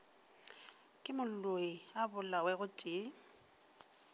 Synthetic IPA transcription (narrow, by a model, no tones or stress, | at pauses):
kʼɪmʊlloiabʊlawɛɣʊtʼɪː